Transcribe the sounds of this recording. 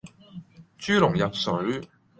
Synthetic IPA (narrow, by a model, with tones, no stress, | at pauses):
t͡ʃyː˥lʊ˨˩ŋjɐ˨p̚sɵ˨˧˥ɥ